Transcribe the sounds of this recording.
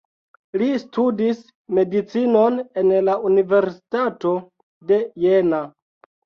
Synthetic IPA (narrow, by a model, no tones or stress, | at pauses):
listudis | me̞dit͡sino̞ne̞nlaunive̞ɾsi̥tato̞ | de̞jena